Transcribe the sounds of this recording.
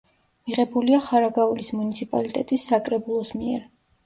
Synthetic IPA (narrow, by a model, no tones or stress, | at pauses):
miʁɛbuliaχaɾaɡaulismunit̪sʰipʼa̰lit̪ʼɛt̪ʼisːakʼɾɛbulˠɔsmiɛɾ